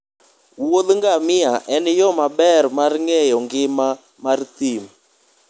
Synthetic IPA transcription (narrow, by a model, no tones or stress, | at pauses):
wolŋɡamɪaʔɛnjɔmabɛrmarŋɛjɔŋɡɪma | mart̪im